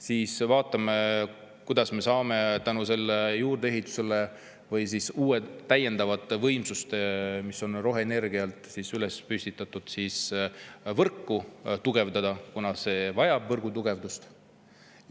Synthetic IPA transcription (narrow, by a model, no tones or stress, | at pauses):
siːsvɑːt̪ːˑɑme̞ | kujd̪̥ɑsme̞sɑːme̞t̪ænuse̞lːejuːrd̪eeɦit̪ːˑu̥se̞le | vɤjsisuːet̪ːæjːe̞nd̪ɑvɑt̪ːˑvɤjmsust̪emiso̞nro̞ɦene̞rɡiɑlt̪ˑsiːsyle̞spysʲt̪it̪ːˑɑt̪ːˑud̪̥siːs | vɤrkːut̪uɡ̥e̞vd̪ɑd̪̥ɑkunɑse̞vɑjɑbvɤrɡut̪uɡ̥e̞vd̪ust̪